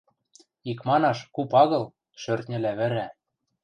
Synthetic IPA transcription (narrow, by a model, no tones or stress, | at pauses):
ikmɑnɑʃkupɑɣɤ̆l | ʃørt̪nʲɘ̆læβɘ̆ɾæ